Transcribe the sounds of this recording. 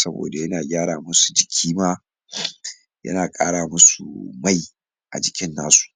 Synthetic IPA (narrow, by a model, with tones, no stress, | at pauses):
sɐ˦bo̰ː˨da˨jɐ˦naː˨ɡʲaː˦ɽaː˨mʊ˦su̥˨d͡ʒɪ˨kʲʰiː˦maː˦ | jɐ̰˦naː˨kʼaː˦ɽaː˨mʊ˦su˨ma˦j | ʔa̰˨d͡ʒɪ˨kʲɪ˦nːaː˦su̥˨ʔ